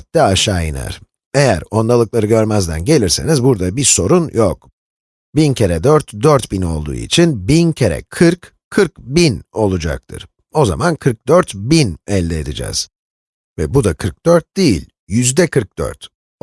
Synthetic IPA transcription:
t̪d̪ɛaʃaːjina̰ɾ̥ | e̞jæɾo̞nd̪alˠɯklˠaɾɯɟøɾmæzd̪ænɟe̞lʲiɾse̞nizbuɾd̪abiso̞ɾunjok | bincʰeɾɛd̪øɾt̪d̪øɾt̪bino̞lˠd̪ṵːḭt͡ʃʰinbincʰeɾɛ̰kʰɯɾkʰː | ɯɾkbino̞lˠud͡ʒa̰k̚t̪ʰɯ̰ɾ̥ | o̞za̰mankʰɯɾk̚d̪øɾt̪binɛlʲːɛːd̪id͡ʒɛ̰z̥ | vɛ̰bud̪akʰɯɾk̚d̪̥øɾt̪̚d̪ejḭlʲ | jyzd̪ɛkʰɯɾk̚d̪̥ø̰ɾt̪

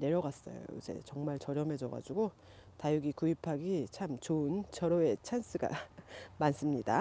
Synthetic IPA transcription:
ne̞ɾjʌɡas͈ʌ̰jo̰o̰ḭd͡ʑe̞̰t͡ɕʌŋmaɭt͡ɕʌɾjʌme̞d͡ʑʌɡa̰d͡ʑuɡo | tajuɡikuipʰaɡit͡ɕʰamt͡ɕoɯnt͡ɕʌɾoe̞t͡ɕʰans͈ʰɯɡa̰mans͈ɯmɲida

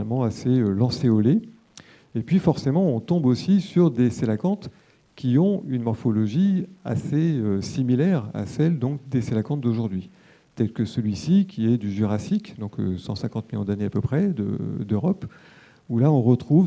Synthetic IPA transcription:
amɑ̃aseølɑ̃seɔle | epɥifɔʁsemɑ̃ɔ̃t̪ɔ̃bosisyʁd̪eselakɑ̃t̪ | kʲiɔ̃ynmɔʁfɔlɔʒia̰seøsimilɛʁa̰sɛld̪ɔ̃kd̪eselakɑ̃t̪̚d̪oʒuʁd̪ɥi | t̪ɛlkəsəlɥisikʲiɛd̪yʒyʁasikd̪ɔ̃ksɑ̰̃sɛ̃kɑ̃t̪miljɔ̃d̪aneapəpχɛd̪ə̰d̪øʁɔp | ulaɔ̃ʁət̪χuv

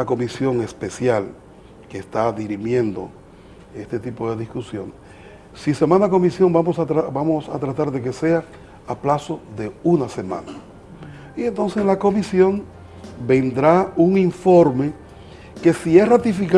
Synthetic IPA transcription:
ako̞misjo̞ŋe̞spe̞sjal | keːst̪aðiɾimje̞nd̪o̞̰ | e̞st̪et̪ipo̞ðe̞ðiskusjo̞n | sise̞mãnako̞misjo̞ŋbamosat̪ɾabamosa̰t̪ɾat̪aɾðe̞k̬e̞se̞a | aplaso̞ðe̞unase̞mã̰na | ient̪o̞nseslako̞misjo̞ŋ | be̞nd̪ɾauŋiɱfo̞ɾme̞ | ke̞siesrat̪ifika

